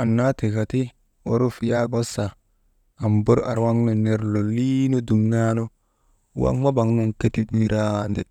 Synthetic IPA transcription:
a˨nːa˦ti˨ka˨ti˦ | o˨ɾu˦fja˦ɡo˦sa˨ | a˨mbo˦ɾa̰˨ɾwa˦ŋno˨ne˨ɾlo˨li˦no˦du˨ŋna˦no˦ | wa̰˦ŋma˦ba˨ŋnu˦ŋke˦ti˦tni˦ɾa˦˨nde˨

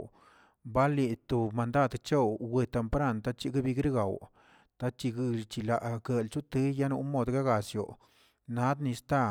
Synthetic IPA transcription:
ba˦li˧t̪o˨ma˨nd̪a˦˨d̪t͡ʃe˦wwe˧t̪e˧˨mpɾa˦˨nt̪a˦t͡ʃi˧ɡa˦bi˧ɡɾi˦ɡa˨w | t̪a˦t͡ʃi˧ɡɨ˧t͡ʃi˧la˨ʔɡe˨lt͡ʃu˦t̪e˦ja˦nu˧˦mo˧d̪ɡa˦ɡa˨sjo̰˨ | na˨˦d̪ni˧st̪a˦˧

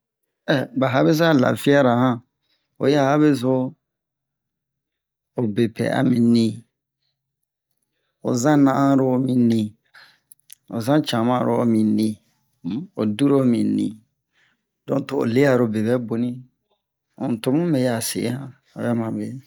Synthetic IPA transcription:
ɛ˨ba˨ɦa˦be˦s̬a˦la̰˨fi˦a˦ɾa˨hã˦ | o̰˨ja˦˨ha˦be˦zo˦ | o˨be˨pɛ̰˨a̰˨mĩ˨nĩ˦ | o̰˨zã˦nã˦ʔã˦ɾo˨mĩ˨nĩ˨ | o̰˨zã˦t͡ʃã˨mã˦ɾo̰˦˨mĩ˨nĩ˨˦ | o˨du˦ɾo˦mĩ˨nḭ̃˨ | dɔ̃˨to˨o̰˨le˦a˨ɾo˨be˨bɛ˦bo˨nĩ˦ | õ̰˨n˨to˦mũ˦me˨ja˨sḛ˨˦hã˦ | a̰˨bɛ˦mã˨be˨

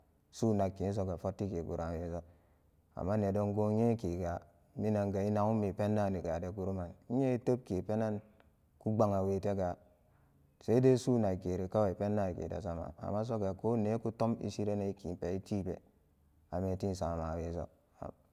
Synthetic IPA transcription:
su˦na˨kːi˨n˦s̬o˦ɡa˨fo˦tːi˦ke˨ɡṵ˨ɾa˨we˦so˦ | a̰˨mːa˦ne˨do˦ŋɡo˦ɲe˦ki˨ɡa˨ | mi˦na˨ŋɡa˨i˦na˨u˦mi˨pe˦nːa˦˨ni˨ɡa˨de˨ɡu˨ɾu˦ma˨ni˦ɲe˦i˦to˦b̚ke˨pe˦na˦n | ku˦ɡ͡ba˨ŋa˨we˨te˦ɡa˨ | se˦i˦de˦su˦na˨ke˨ɾe˨ka˦wa˨i˨pe˦nːa˦˨kḛ˨da̰˨sa˦ma̰˨a̰˨mːa˦s̬o˦ɡa˨ko˦ne˦ku˦to˦mḭ˦si˦ɾe˦ne˦i˦ki˨pe˨i˦ti˦pḛ˨ | a˨me˨ti˦n˨sa˨a˨ma˨we˦so̰˦ | a̰˨

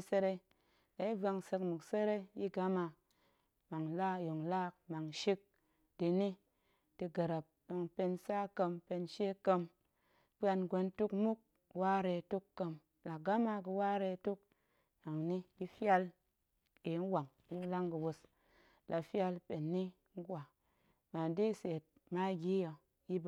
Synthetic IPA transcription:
se˧ɾe˧ | la˨i˦va˧ŋsə˧kmu˨kse˦ɾe˦ji˦ɡa˦ma˧ | ma˨ŋla˦jo˨ŋla˦k̚ma˨ŋʃi˦k̚ | di˧ni˦ | ti˧ɡə˨ɾa˨p̚jo˧ŋpe˧nsa˦kə˧mpe˧nʃe˦kə˧m | pa˧nɡʷe˧ntu˦kmu˦k̚ | wa˦ɾe˧˨tu˦kːə˧m | la˨ɡa˦ma˧kɨ˧wa˦ɾe˧˨tu˦k̚ | na˨ŋni˦di˦fa˧l | e˨˦n̩˦wa˨ŋ | ju˦la˦ŋkɨ˨wo˧s | lʔa˨fja˧lpe˨nːi˦ | ŋ̩˦ɡʷa˨ | ma˨ndi˦˨se˨t̚ | ma˦ɡʲi˦jo˧ | ji˦b

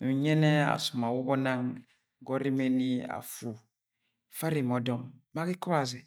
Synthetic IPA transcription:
nu˨ɲɛ˦nɛ˦a̰˨su˨ma˨wu˦ɡɔ˦nã˦ŋ˨ | ɡɔ˦ɾi˦me˦ni˦a̰˨fu˨ | fa˦ɾi˨mɔ˨dɔ˨mma˦ki˦kɔ˦a˨zɛ˨

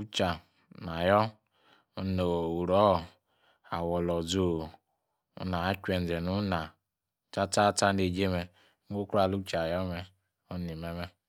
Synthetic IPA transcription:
u˦t͡ʃa˨ | na˨jɔ˦ | u˦no˨u˨ɾɔ˨˦˨ | a˨wɔ˨lɔ˨zo˨ | ṵ˦na˨a˦t͡ʃʷɛ˨n˨d͡zɛ˨nu˦na˨ | ta˦ta˦ta˦ne˨d͡ʒe˦mɛ˧˦ | o˦ku˦a˨lu˦t͡ʃa˨jɔ˦mɛ˦ | o˦ni˨mɛ˨mɛ˦

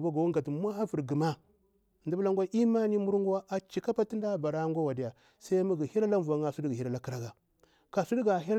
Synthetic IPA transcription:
ba˦ɡa˨wu˦ŋɡa˨tmʷ˦a˦a˦vi˨ɾɡi˨ma˦˨ | ndi˦bla˦ŋ˦ɡʷa˦ʔi˦ma˦ni˦mu˦ɾŋɡu˦a˦ʔa˨t͡ʃi˨ka˦pa˦ti˦nda˦ba˨ɾa˦ɡʷa˦wa˨di˦ja˨ | sa˦mu˦ɡi˨hi˦ɾa˦la˦mva˨˦ŋa˨su˦di˦ɡi˨hi˦ɾa˦˨la˦ki˦ɾa˦ɡa˨ | ka˨su˦di˦ɡa˨ɦi˦

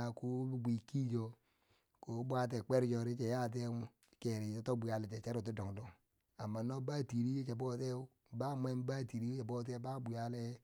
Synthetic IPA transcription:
a˨ku˦bu˦bʷi˨ki˦d͡ʒo˨ | ko˨˦bʷa˦t̬e˨k͡pe˦ɾd͡ʒo˨ɾi˦t͡ʃe˨ja˦t̬e˦ke˨ɾi˨˦to˦bu˨ja˦le˨t͡ʃe˨t͡ʃa˦ɾu˨t̬u˦do˨ŋdu˨ŋ | a˨mːa˨no˦ba˦ti˨ɾi˦je˦t͡ʃe˨bo˦te˦ | ba˦m˦e˦m˦ba˦ti˨ɾi˦jt͡ʃe˨bo˦t̬e˦ba˦bu˨ja˦le˦

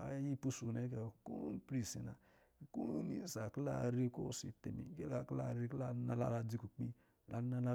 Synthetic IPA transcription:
a̰˨˦ji˦pu˦su˨ne˨˦ke˨ku˦pɾi˨si˨na̰˨ | ku˦u˦ni˨sa˨kla˦˨ɾe˦ko˦˨si˨te˨mḭ˨˦ɡe˦la˧˨kla˧˨ɾe˧kla˦˨˦na˧la̰˦la˧d͡zi˧ku˨k͡pi˦ | la˨˦na˧la˧

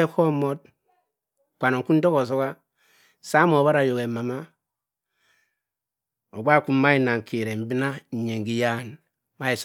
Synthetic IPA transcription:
e˦ko˦mo˦t̚ | kʷa˨no˨ŋku˦n˦do˦ko˨s̬o˦ka˦˨ | sa˦mo˨βa˦ɾa˨jo˨ɡe˨ma˨ma˦ | o˨ɡ͡ba˦˨ku˦mː˦a˦i˦˨na˨ŋ˨ki˨ɾe˨m̩˦bi˦na˦˨ɲe˨ŋɡi˦ja˦˨n | ma˦i˨s

